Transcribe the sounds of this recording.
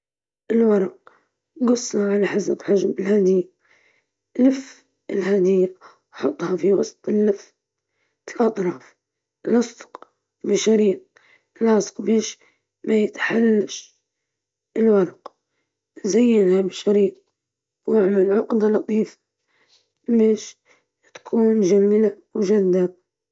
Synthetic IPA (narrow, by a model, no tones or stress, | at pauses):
ʔɪlwɑɾˤɑq̚ | ɡʊsˤːɑʕalaħasabħaʒmɪlhaːd̪ɪjːa | lɪf | ɪlhaːd̪ɪjːa | ħʊt̪ˤːhɑfiwɑsˤt̪ˤɪlːɪf | ʔɑt̪ˤɾˤɑːf | lʔɑsˤd̪̥q | bɪʃaɾiːt̪̚ | lʕɑsˤqbeːʃ | majɪt̪ħalːaʃ | ɪlwɑɾˤq | zajːɪnhabɪʃaɾiːt̪̚ | waʕmalʕʊqd̪alɑt̪ˤiːfḁ | beːʃ | t̪ḁkʰuːnd͡ʒamɪla | wʒad̪ːa